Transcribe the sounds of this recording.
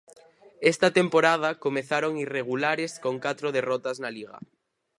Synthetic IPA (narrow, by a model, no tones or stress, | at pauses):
est̪at̪empoɾað̞akomeθaɾoŋireɣ̞ulaɾeskoŋkat̪ɾoð̞erɔt̪aznaliɣa̰